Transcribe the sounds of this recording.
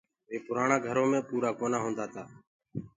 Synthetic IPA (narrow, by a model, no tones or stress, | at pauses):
ʋeːpʊɾaːɳaːɡʱəɾõːmẽːpuːɾaːkoːnaːɦõːnd̪aːt̪aː